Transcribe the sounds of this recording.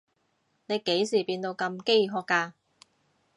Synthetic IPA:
ne˨˧jke˨˥jsiː˨˩piː˧nt̪o˧wkɐ˧mke˥jɦɔː˧kːaː˧

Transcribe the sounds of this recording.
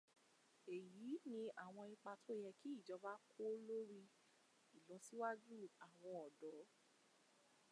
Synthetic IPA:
e˨jiː˨˦nĩ˧ʔa˨w̃ɔ̃˧i˧k͡pa˧tʰo˦˨jɛ˧ki˦i˦˨d͡ʒɔ˨˧˦ba˦kʰo˦lo˦ɾi˦ | i˨lɔ˨˦si˦wa˦d͡ʒu˦˨a˨w̃ɔ̃˧ɔ˨dɔ˨˦

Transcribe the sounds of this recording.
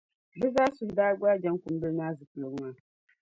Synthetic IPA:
bɛ˦zaː˦sʊ˨hdaː˦ɡʷa˦d͡ʒa˦ŋ˦kʊ˨m˦bɨ˦lnaː˦zɨ˨pɨ˨lo˨ɡmaː˦˨

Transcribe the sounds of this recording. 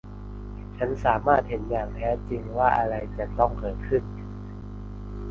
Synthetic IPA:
t͡ɕʰa˦˥nsaː˩˦maː˥˩t̪̚he˩˦njaː˨˩ŋt̪ʰɛː˦˥t͡ɕi˧ŋwaː˥˩ʔa˧ɾa˧jt͡ɕa˨˩t̪ɔ˥˩ŋkɤː˨˩t̪̚kʰɯ˥˩n

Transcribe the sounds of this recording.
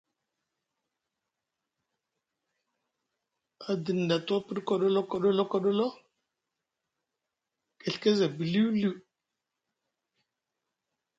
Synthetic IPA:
a˨də˨n˨da˨to˦pə˦ɗko˨ɗo˦lo˦ko˨ɗo˦lo˦ko˨ɗo˦lo˦ | ke˨ɬke˦za˨bi˨li˦wlu˦˨

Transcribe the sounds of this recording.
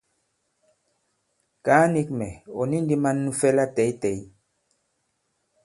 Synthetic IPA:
kaː˨˦ni˦kmɛ˨ɔ̰˨nĩ˦n˦di˦ma˦nːu˦fɛ˦la˦tɛ˨jtɛ˨j

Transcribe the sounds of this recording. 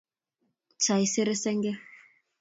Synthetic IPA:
t͡ʃa˨i˦sɪ˦ɾe˦sɛ˦ŋɡɛ˦

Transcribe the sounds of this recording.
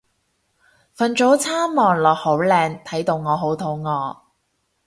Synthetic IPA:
fɐ˨nt͡ʃo˨˥wt͡sʰaː˥mmɔː˨ŋlɔː˨˩k̚ho˨˥wlɛː˧ŋt̪ʰɐ˨˥jt̪o˧wŋɔː˨˧ɦo˨˥wt̪ʰo˨˥wŋɔː˨˧

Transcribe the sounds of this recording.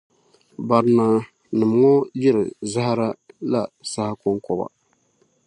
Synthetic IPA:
ba˨ɾna˨ | nɨ˨m˨ŋɔ˦jɪ˦ɾɨ˨za˦ha˦ɾa˦la˦sa˦ha˦kʊ˦ŋkɔ˦ba̰˦˨

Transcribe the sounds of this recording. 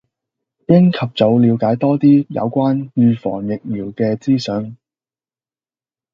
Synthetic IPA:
jɪ˥ŋkʰɐ˨p̚t͡sɐ˨˧wliː˨˧wkaː˨˥jt̪ɔː˥t̪iː˥jɐ̰˨˧wkʷaː˥njyː˨˧fɔ̰ː˨˩ŋjɪ˨k̚miː˨˩wkɛː˧t͡siː˥sœ˨˧n

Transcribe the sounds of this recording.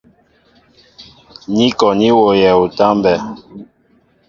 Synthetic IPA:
ni˦kɔ˨ni˦wo˨jɛ˨u˨ta˦mbɛ˨

